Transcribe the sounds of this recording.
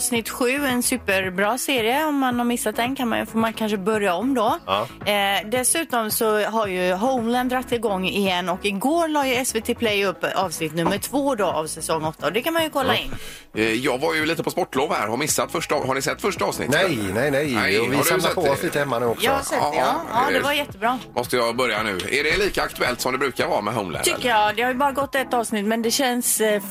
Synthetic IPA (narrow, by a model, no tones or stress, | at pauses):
vsnɪt̪ːɧʉ̟ːɛnsʉ̟ːpəɾbɾɑːseːɾɪəɔmːanhaɾmɪsːat̪̚d̪ɛnkʰanma̰njɵ̰foːɾmankʰanʂəbœɾjaɔmːd̪ɔ | d̪ɛsʉ̟ːt̪ɔmsɔɦaɾjɵɦɔʊmlɛnd̪ɾat̪ʰːɪlɡɔŋːɪjɛnːɔkɪɡoːɾlɑːjɵɛsvet̪ʰeːpʰlɛjɵpːɑːvsnɪt̪ːnɵmːəʈʰv̥oːd̪ɔʔa̰vsɛsɔŋːɔt̪ːaɔd̪ɛkanmanjɵkʰɔlːaɪnː | jɑːɡvaɾjɵliːt̪əpʰɔspɔʈːloːvhæ̰ɾhamɪsːat̪fœʂʈːhaɳɪsɛt̪ːfœʂʈaɑːvsnɪ̰t̪ɛjnɛjnɛjnɛvɪapʰɔɔsliːt̪əhɛmːanʉːɔkjɑɔhasɛt̪ːɑːd̪ɛvajɛt̪ːəbɾɑːmʔɔst̪əjɑbœɾjanʉ̟̰ːæ̰ɖɛliːkaakt̪ɵɛlt̪sɔmd̪ɛbɾʉ̟ːkaɾvɑːɾamɛɦaʊmlɛ̰nʰʏk̪ːəjɑd̪ɛhaɾjɵbɑːɾaɡɔt̪ːɛt̪ːɑːvsnɪt̪ːmɛnd̪ɛɕɛns